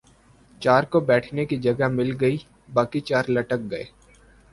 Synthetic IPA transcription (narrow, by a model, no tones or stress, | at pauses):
t͡ʃaːɾkobɛːʈʰnekid͡ʒɐɡamɪlɡɐi | baːkit͡ʃaːɾlɐʈək̚ɡɐḛː